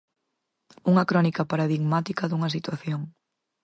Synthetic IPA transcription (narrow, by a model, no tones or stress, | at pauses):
uŋɐkɾɔnikɐpaɾaðiɣmat̪ikɐðuŋɐsit̪waθjoŋ